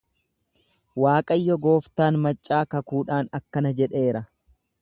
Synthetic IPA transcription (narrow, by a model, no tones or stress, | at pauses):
waːkʼɐjːɔɡo̞ːft̪aːnmɐt͡ʃʼːaːkɐkuːᶑaːnɐkːɐnɐd͡ʒɛᶑe̞ːɾɐ